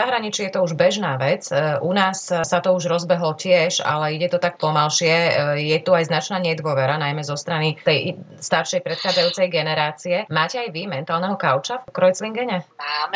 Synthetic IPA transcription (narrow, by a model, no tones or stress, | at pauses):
aɦɾaɲit͡ʃɛjɛt̪ɔuʒbɛʒnaːʋɛt͡sʔunaːssat̪ɔuʒɾɔzbɛɦlɔcɪɛʃa̰lɛiɟɛt̪ɔt̪ak̚pɔmalʃɪɛjɛt̪uajznat͡ʃnaːɲɛd̪ʊɔʋɛɾanajmɛzɔst̪ɾanit̪ɛjst̪aɾʃɛjpɾɛt̪xaːd͡zajuːt͡sɛjɡɛnɛɾaːt͡siɛmaːcɛajʋimɛnt̪aːlˠnɛɦɔkaʊt͡ʃafkɾɔjt͡sliŋɡɛɲɛmaːm